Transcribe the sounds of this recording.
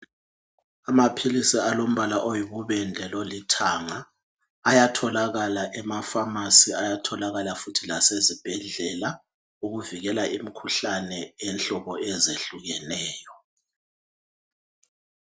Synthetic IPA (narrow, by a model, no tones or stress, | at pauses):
amapʰilisialom̩βalaʔojiβuβɛnd͡ɮʱɛlolitʰaŋaː | jatʰɔlaɣalaʔɛmafamasiajatʰɔlaɣalafutʰilasezib̥ʱɛɮɛla | uɣuviɣɛlaʔimikʰuɬanɛɛnɬɔβɔɛzeɬuɣɛnɛːjɔ